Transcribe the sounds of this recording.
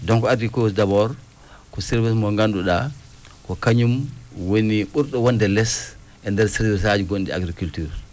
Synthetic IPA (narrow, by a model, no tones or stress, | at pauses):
dɔŋkɔadikosdabɔɾ | kɔsɛɾvismɔŋɡanduɗa | kɔkaɲumwoniɓuɾɗɔwɔndɛlɛs | ʔɛndɛɾsɛɾvis̬ad͡ʒiɡondia̰ɡɾikultyɾ